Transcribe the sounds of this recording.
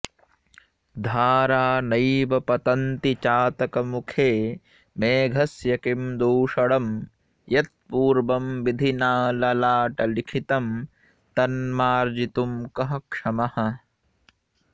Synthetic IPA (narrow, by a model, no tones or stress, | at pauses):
d̪ʱaːɾaːnɐjʋɐpɐt̪ɐnt̪it͡ʃaːt̪ɐkɐmukʰeː | meːɡʱɐsjɐkimd̪uːʂɐɽɐm | jɐt̪̚puːɾʋɐmʋid̪ʱinaːlɐlaːʈɐlikʰit̪ɐm | t̪ɐnmaːɾd͡ʒit̪umkɐɦɐ̆kʂɐmɐhɐ̆